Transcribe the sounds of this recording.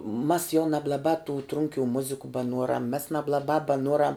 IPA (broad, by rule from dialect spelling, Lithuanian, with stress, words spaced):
mɐs jɛʊ nɐblˠɐˈbɑː tʊ ˈtrʊŋʲkʲuː ˈmʊzʲɪkʊ bɐˈnuɔrɐm mʲɛs nɐblˠɐˈbɑː bɐˈnuɔrɐm